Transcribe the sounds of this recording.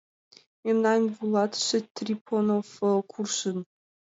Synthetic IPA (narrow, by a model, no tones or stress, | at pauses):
mʲemnɑnʲvulˠɑt̪ʃɘt̪rʲipʰonofəkʰurʃɨn